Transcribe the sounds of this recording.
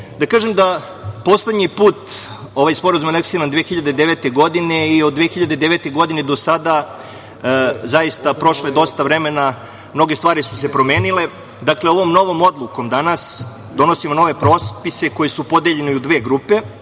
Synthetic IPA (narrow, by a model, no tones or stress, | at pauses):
d̪akaːʒemd̪a | po̞slˠed̪ɲipuːt̪ | o̞ʋajspo̞ɾazumaleksiɾand̪ʋeːxiʎad̪ed̪eʋet̪e̞ɡo̞d̪ine̞iod̪d̪ʋeːxiʎad̪ed̪eʋe̞ːt̪e̞ɡo̞d̪ined̪o̞sad̪a | zaist̪apɾo̞ʃled̪o̞st̪aʋɾe̞me̞na | mno̞ɡest̪ʋaːɾisu̥se̞pɾo̞me̞ːnile̞ | d̪akleo̞ʋo̞mno̞ʋo̞mo̞d̪lˠuko̞md̪anas | d̪o̞no̞simono̞ʋe̞pɾo̞ːspise̞ko̞jesupo̞d̪eʎe̞neud̪ʋe̞ːɡɾupe̞